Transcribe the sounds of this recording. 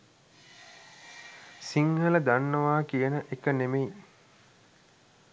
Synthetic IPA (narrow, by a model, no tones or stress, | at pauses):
siŋhələd̪anːəʋaːkijənəʔekənemeji